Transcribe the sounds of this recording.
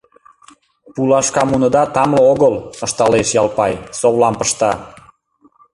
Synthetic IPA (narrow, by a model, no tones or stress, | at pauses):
pulɑʃkɑmunɤd̪ɑt̪ɑmlooɣələʃt̪ɑleʃjɑlpɑjsoβlɑmpəʃt̪ɑ